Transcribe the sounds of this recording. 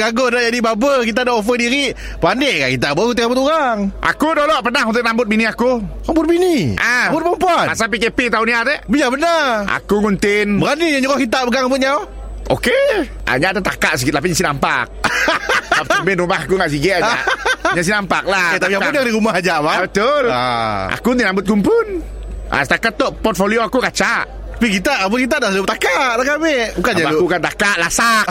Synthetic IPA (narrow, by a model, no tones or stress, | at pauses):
ɡaɡodad͡ʒadibabəkit̪̬adaʔof̬ədiɾiʔ | pəandeʔkaʔkit̪aʔbokunt̪ɪʔŋabʊt̪uɾaŋʔa̰kudolɔʔpənahunt̪ʊk̚nambʊt̪̚biniaku | abʊt̪̚biniʔabʊt̪̚pompuanasap̬ikepit̪auniat̪ɛʔbijabənaʔa̰kuŋunt̪ɪnbəɾaniɲaɲuɣakit̪̬aʔ̚bəɡaŋambʊt̪̚ɲaw | o̰ke | ʔa̰ɲat̪at̪akaʔs̬əkɪt̪t̪ap̬iɲasinampa̰k̚ | ap̚əmbɪnumahakuŋaʔs̬iɡɛʔaʔɲas̬inampak̚lahet̪apijapʊnjaŋdiɾumaɦad͡ʒaʔmabət̪ʊlʔa̰kunt̪inambʊt̪̚kumpʊn | a̰sət̪akat̪ːɔʔpɔrt̪̚folioakukat͡ʃaʔ | t̪ḁpikit̪aabʊt̪kit̪̬adalup̚t̪akaʔlakamebukaɲaakukant̪akaʔlasak̚